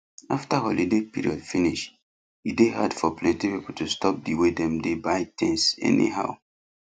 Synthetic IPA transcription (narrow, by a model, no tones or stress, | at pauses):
aftahɔlidepiɹḭɔdfiniʃ | ideha̰dfɔplɛ̃ntipipol̩tʰustɔp̚diwedɛ̃mdebaɪtʰɛ̃nsɛ̰nḭha̰ʊ